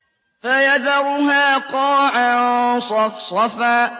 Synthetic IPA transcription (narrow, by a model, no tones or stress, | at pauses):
fajaðaɾʊɦaːqɑːʕasˤɑfsˤɑfaː